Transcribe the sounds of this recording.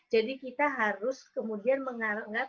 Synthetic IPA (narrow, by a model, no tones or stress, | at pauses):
d͡ʒadikit̪aɦaɾʊskəmudianməŋaŋɡa